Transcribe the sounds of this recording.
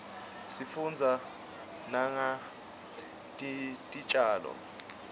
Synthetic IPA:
sifund͡zʱa | naŋa | tʼitʼit͡ʃʼaːlɔ̰

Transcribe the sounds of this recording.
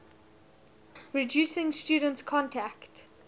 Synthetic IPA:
ɹidjusɪ̃ŋstjuːdə̃ntskʰɔ̃ntʰækt

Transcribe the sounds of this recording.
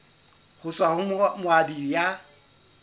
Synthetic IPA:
hʊt͡sʼwahʊmʊadija

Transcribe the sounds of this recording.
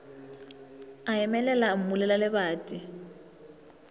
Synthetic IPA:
aɛmɛlɛlam̩mulɛlalɪbaːtʼɪ

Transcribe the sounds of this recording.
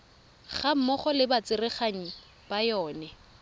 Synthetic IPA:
χam̩mɔχɔlɪbat͡sɪrɪχaŋ̩ | b̥ajɔːnɛ

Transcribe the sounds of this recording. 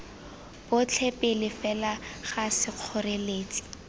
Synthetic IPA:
b̥ʊt͡ɬʰɛpʼɪlɪfɛlaχasɪq͡χʰɔreleːt͡sʼi̥

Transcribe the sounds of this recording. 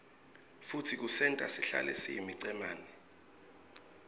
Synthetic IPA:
futʰik̬usɛntʼa̰siɬa̰lɛ̰siḭmiǀɛmaːnɛ

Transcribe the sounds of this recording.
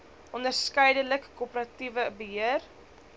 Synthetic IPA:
ʔɔndərskɛjdələkːupəɾɐtivəbəɦiər

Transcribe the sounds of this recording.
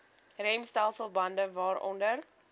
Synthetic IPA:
rɛmstælˠsəlˠbɐndəvɑːɾɔ̰ndər

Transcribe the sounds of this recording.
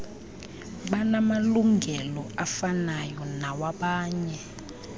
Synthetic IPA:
ɓanamaluŋɡʱɛlɔafanajɔnawaɓaːɲɛ

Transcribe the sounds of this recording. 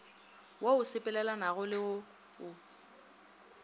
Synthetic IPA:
wʔoʊsɪpʼɛlɛlanaɣʊlɪʊ | ʊ

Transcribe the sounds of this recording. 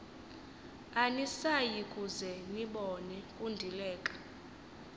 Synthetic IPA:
anisajikʼuzɛniɓɔnɛkʼundʱilɛːkʼḁ

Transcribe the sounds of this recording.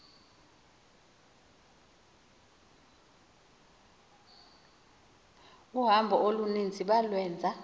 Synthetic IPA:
uɦambʱɔʔolunind͡zʱiɓalwɛːnd͡zʱa

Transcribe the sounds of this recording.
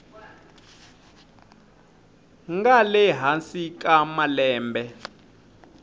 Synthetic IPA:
ŋɡalɛɦansikʼamalɛːmbɛ

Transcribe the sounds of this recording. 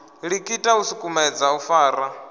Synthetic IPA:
ɺikʼitʼausukʼumɛd͡zaufaːɾa

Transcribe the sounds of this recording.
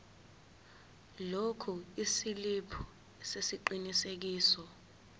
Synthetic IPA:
lokʰuisilipʰu̥ | ɛsesiǃinisek̬iːsɔ

